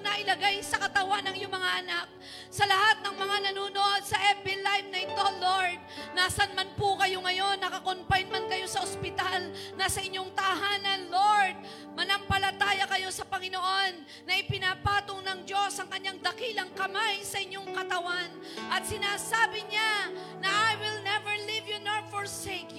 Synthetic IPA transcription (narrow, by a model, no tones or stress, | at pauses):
nɐʔɪlɐɡajsɐkɐt̪ɐwanːɐŋɪɲoŋmɐŋaʔɐnak̚ | sɐlɐhat̪̚nɐŋmɐŋanɐnuːnoʔod̪̚sɐʔɛpɪlajf̚nɐɪt̪o̞loɹd̪̚naːsɐnmanpʊkɐjo̞ŋɐjo̞nːɐkɐkonpajnmɐnkɐjo̞sɐʔospɪt̪alnɐsɐʔɪɲːo̞ŋt̪ɐʔɦaːnɐnloɹd̪̚ | mɐnɐmpɐlɐt̪aːjɐkɐjo̞sɐpɐŋɪno̞ʔo̞nːɐʔɪpɪnapaːt̪oŋnɐŋd͡ʒo̞sʔɐŋkɐɲːaŋd̪ɐkilɐŋkɐmajsɐʔɪɲːo̞ŋkɐt̪ɐwan | ʔɐt̪̚sɪnaːsaːbɪɲa | nɐʔajwɪlnɛvɛɹlivjunoɹfoɹsekju